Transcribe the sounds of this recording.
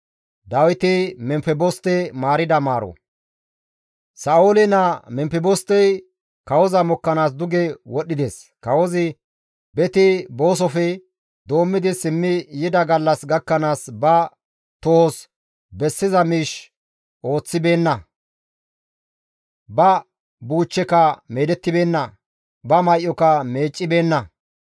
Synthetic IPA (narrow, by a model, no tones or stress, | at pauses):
d̪ɐwɪt̪ɪmɛmpɛbɔst̪ɛmaːɾɪd̪ɐmaːɾɔ̰ | sɐːʔolɪnɐmɛmpɪbɔst̪ɛj | kɐwɔzɐmɔkːɐnaːsd̪ʊɡɛwɔɗːɪd̪es | kɐwɔzɪ | bɛt̪ɪbo̞ːs̬ɔfɛ | d̪o̞ːmːɪd̪ɪsɪmːɪjɪd̪ɐɡɐlːɐsɡɐkːɐnaːsbɐ | t̪os | bɛsːɪzɐmiːʃ | ʔo̞ːt͡sːɪbe̞ːnːɐ | bɐ | buːt͡ʃːɛkɐmeːd̪ɛt̪ːɪbe̞ːnːɐ | bɐmɐjʔɔkɐme̞ːt͡ʃʼːɪbe̞ːnːɐ